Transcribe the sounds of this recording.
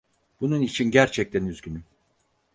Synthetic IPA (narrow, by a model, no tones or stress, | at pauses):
b̥ununit͡ʃʰinɟæɾt͡ʃʰɛc̚t̪ʰænyzɟyny